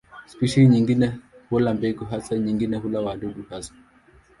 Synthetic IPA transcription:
spiʃaliɲiŋɡinɛhulambɛɡuɦasaɲiŋɡinɛɦulawaɗuɗuhasḁ

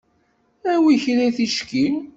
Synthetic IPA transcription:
æwiçɾæθiʃkil

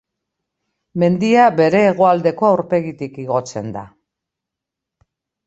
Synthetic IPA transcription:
me̞nd̪iabe̞ɾe̞ːɣ̞o̞ald̪e̞ko̞awɾpe̞ɣit̪ikiɣ̞o̞t͡se̞̰nd̪a̰

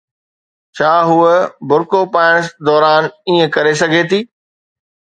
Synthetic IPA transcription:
t͡ɕʰaːɦuəbʱʊɾkopaːɪɽ̃əsd̪ɔːɾaːniːə̃kɐɾes̬ɐɡʱet̪ʰiː

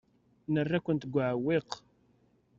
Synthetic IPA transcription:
nərːækʷːənt̪ɡʷaʕəwːɪq

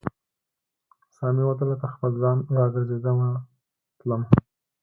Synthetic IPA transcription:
sɑmiwat̪̬əlat̪axpəlzɑnɾɑɡəɾzed̪əma | t̪ləma

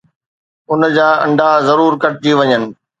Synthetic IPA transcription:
ʊnd͡ʑaːɐ̰̃ɳɖazɐɾuːɾkɐʈ̚d͡ʑiʋɐɲənɪ̆

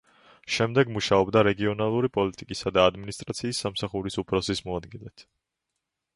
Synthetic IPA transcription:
ʃɛmd̪ɛɡmuʃaɔbd̪aɾɛɡiɔnalˠuɾipʼɔlit̪ʼikʼisad̪aːd̪minist̪ʼɾat̪sʰiːsːamsaχuɾisupʰɾɔsismɔad̪ɡilɛt̪ʰ

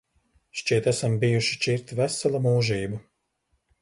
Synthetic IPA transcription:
ʃt͡ʃiɛt̪æsambijuʃi̥t͡ʃiɾt̪væsalˠamuːʒiːbu

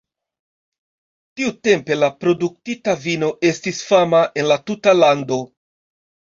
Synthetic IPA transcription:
tiute̞mpe̞lapɾo̞duk̚titavino̞ʔe̞stisfamaʔe̞nlatutalando̞

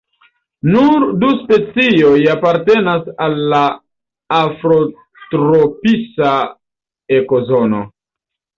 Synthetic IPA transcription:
nuɾduspe̞t͡sio̞japaɾte̞nasalːaː | fɾo | tɾopisa | e̞kozono̞̰

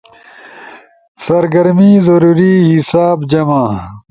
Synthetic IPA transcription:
sɐɾɡɐɾmizɐɾuːɾiɦisaːbd͡ʑɐmãː

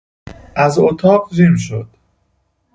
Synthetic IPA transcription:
ʔæzot̪ʰɒːɢd͡ʒimʃod̪̥

